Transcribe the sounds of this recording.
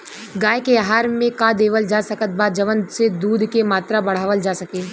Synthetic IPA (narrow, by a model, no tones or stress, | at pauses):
ɡaːekeɦaːɾmẽkãːd̪eːʋəld͡ʒaːsɐkət̪̚baːd͡ʒɐʋənsed̪uːd̪ʱkemaːt̪ɾabɐɽ̤aːʋəld͡ʒaːsɐkeː